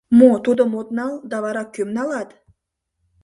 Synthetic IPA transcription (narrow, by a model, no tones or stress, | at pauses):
mot̪ud̪ɤmot̪nɑlˠd̪ɑvɑɾɑk̚kʲːømnɑlˠɑt̪